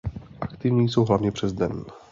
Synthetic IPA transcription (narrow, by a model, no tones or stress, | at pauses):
ʔakt̪ɪvɲiːso̞wɦlavɲɛpr̥ɛzd̪ɛn